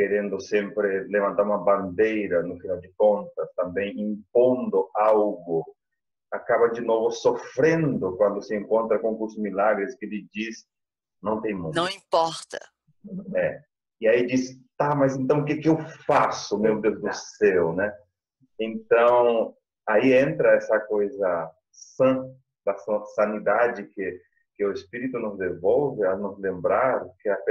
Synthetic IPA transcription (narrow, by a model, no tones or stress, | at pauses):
keɾẽnd̪ʊsẽmpɾɪlevãnt̪aɾũmɐbãnd̪ejɾɐnʊfinawd͡ʒɪkõnt̪ɐst̪ɐ̃mbẽj̃ĩmpõnd̪ʊawɡʊ | akabɐd͡ʒinovʊsofɾẽnd̪ʊkwãnd̪ʊsɪẽŋkõnt̪ɾɐkõŋkuzmilaɡɾɪskelɪd͡ʒis | nɐ̃w̃t̪ẽj̃mũnɐ̃w̃ĩmpɔɾt̪ɐ | nɐ̃wɛ | iaid͡ʒist̪amɐzẽnt̪ɐ̃w̃ʊk̬ekɪewfasʊmewd̪ewzd̪ʊsɛwnɛ | ẽnt̪ɐ̃w̃ | aiẽnt̪ɾɐɛsɐkojzɐ | sɐ̃ | d̪ɐsɐ̃sɐ̃nid̪ad͡ʒɪkɪ | kɪʊespiɾit̪ʊnʊzd̪evowvɪanʊzlẽmbɾaɾkɪap